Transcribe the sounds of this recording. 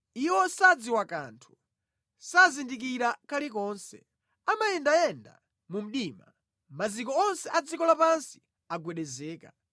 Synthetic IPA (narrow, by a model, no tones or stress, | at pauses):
iwɔsad͡ziwaka̰ntʰu̥ | sazindik̬iɾakalikɔnsɛ̰ | amajɛndajɛnda̰ | mum̩ɗiːma̰ | mazikɔɔnsɛʔad͡zikɔlapansi̥ | aɡwɛɗɛzɛːka